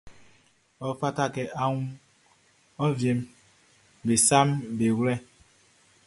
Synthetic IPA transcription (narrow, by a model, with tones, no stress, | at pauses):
ɔ˨fa˦ta˦ke˨a˦ŋu˦ | ɔ˦vje˨m˦ | be˨sa˦m˦be˨wɾɛ˦